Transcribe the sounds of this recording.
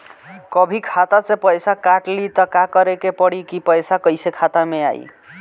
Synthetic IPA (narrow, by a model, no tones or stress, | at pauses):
kʌbʱikʰat̪at͡sʌ̃pəjsakaʈlit̪ʌkakʌɾekepʌɽikipʌjsakʌjsekʰat̪amea̰j̰